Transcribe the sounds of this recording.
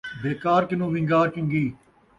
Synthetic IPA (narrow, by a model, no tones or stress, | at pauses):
beːkaːɾkɪnũːʋɪ̃ŋɡaːɾkɪ̃ŋɡiː